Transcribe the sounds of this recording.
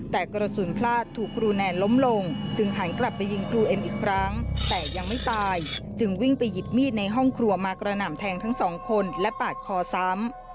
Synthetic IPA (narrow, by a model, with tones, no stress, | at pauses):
t̪ɛː˨˩kɾa˧suː˩˦npʰlaː˥˩t̪ʰːuː˨˩kʰːɾuː˧nɛː˧nlo˦˥mlo˧ŋt͡ɕɯ˧ŋɦa˩˦nkla˨˩pːa˧jːi˧ŋkʰɾuː˧ʔe˧mʔiː˨˩kʰɾa˦˥ŋt̪ɛː˨˩ja˧ŋma˥˩jt̪aː˧jt͡ɕɯ˧ŋwi˥˩ŋpa˧jːi˨˩p̚miː˥˩t̪̚na˧jɦɔ˥˩ŋkʰɾu˧ɐmaː˧kɾa˧na˨˩mt̪ʰɛː˧ŋt̪ʰa˦˥ŋsɔː˩˦ŋkʰo˧nlɛ˦˥paː˨˩t̪̚kʰɔː˧sa˦˥m